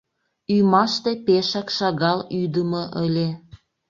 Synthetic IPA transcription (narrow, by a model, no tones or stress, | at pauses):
ymɑʃt̪epeʃɑkʃɑɣɑlyd̪əməʔəlʲe